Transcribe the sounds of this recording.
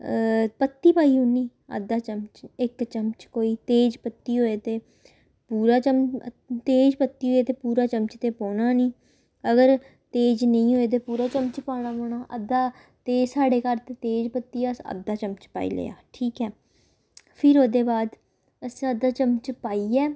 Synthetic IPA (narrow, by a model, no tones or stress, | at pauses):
pət̪ːiːpaːiːɦʊniː | ə̰d̪ːaːt͡ʃəmt͡ʃɪkt͡ʃəmt͡ʃkoːiːt̪eːd͡ʒpət̪ːiːɦoːeːt̪eː | puːɾaːt͡ʃəm | t̪eːd͡ʒpət̪ːiːɦoːeːt̪eːpuːɾaːt͡ʃəmt͡ʃt̪eːpɔ̃ːnaːnĩː | əɡəɾ | t̪eːd͡ʒnəĩːɦoːeːt̪̬eːpuːɾaːt͡ʃəmt͡ʃpaːɽ̃aːpoːɳ̃aːʔəd̪aː | t̪eːd͡ʒsaːɖeːkəɾt̪eːt̪eːd͡ʒpət̪ːiːəsə̰d̪ːaːt͡ʃəmt͡ʃpa̰ːḭːlḛːja̰ːʈʰiːkɛː | pʰɪɾoːd̪eːbaːd̪ | əsĩːəd̪aːt͡ʃəmt͡ʃpaːiːɛː